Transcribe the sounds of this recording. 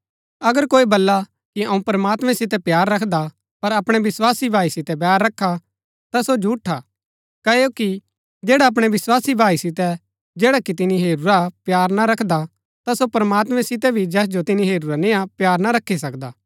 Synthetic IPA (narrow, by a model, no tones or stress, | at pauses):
ɐɡəɾkoːibɐlːa | kiɐũpɾəmaːt̪mɛ̃sɪt̪ɛpjaːɾːɐkʰd̪a | pɐɾɐpɽ̃ɛʋɪswaːsibʱaːisɪt̪ɛbjaːɾːɐkʰːa | t̪asod͡ʒʱuːʈʰːa | kɐejoki | d͡ʒeːɽaɐp̬ɽ̃ɛʋɪswaːsibʱaːisɪt̪ɛ | d͡ʒeːɽakit̪̬ɪniɦeːɾuɾapjaːɾnaɾɐkʰd̪a | t̪asopɾɐmaːt̪mɛ̃sɪt̪̬ɛbʱid͡ʒɛːs̬d͡ʒot̪ɪniɦeːɾuɾanẽːapjaːɾnaɾɐkʰːis̬ɐkd̪aː